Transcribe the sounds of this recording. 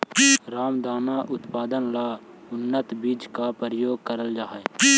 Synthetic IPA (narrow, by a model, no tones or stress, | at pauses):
ɾaːmd̪aːnaʔʊt̪paːd̪ənlaː | ʊnːət̪biːd͡ʒkapɾəjoːɡ̚kəɾəld͡ʒaːe